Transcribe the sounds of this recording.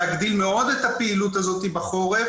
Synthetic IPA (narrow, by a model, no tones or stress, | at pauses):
aɡd̪ilme̞o̞d̪et̪apeilut̪̬azo̞t̪ibaχo̞ʁe